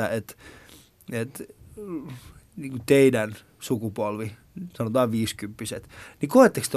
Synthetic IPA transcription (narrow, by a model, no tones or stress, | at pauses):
æet̪ | et̪ | niːŋkut̪eidæn | sukupolʋi | sɑnot̪ɑːʋʋiːskympːysḛt̪nikoet̪ːekst̪e